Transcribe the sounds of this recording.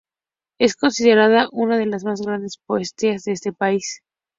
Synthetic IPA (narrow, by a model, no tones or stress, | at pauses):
e̞sko̞nsið̞e̞ɾað̞aʔunaðe̞lazmazɣɾand̪e̞spoest̪iazðeest̪e̞pais